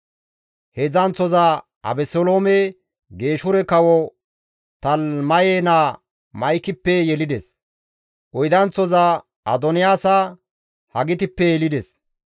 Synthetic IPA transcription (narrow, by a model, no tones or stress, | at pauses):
hezɐnt͡sːɔzɐ | ʔɐ̰bɛsɔloːmɛ | ɡe̞ːʃʊɾɛkɐwɔ | t̪ɐlmɐjenaː | mɐjkɪpːɛjɛlɪd̪ɛs | ʔɔjd̪ɐnt͡sːɔzɐ | ʔɐ̰d̪ɔnɪjaːsɐ | hɐɡɪt̪ɪpːɛjɛlɪd̪ɛs